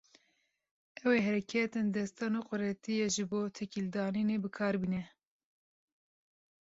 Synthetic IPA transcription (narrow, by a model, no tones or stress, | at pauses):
ʔɛweːɦɛɾɛkʰɛt̪ɨnd̪ɛst̪ɑːnuːqʊɾɛt̪ijeʒɨboːt̪ʰɛkild̪ɑːninebɨkʰɑːɾbiːnɛ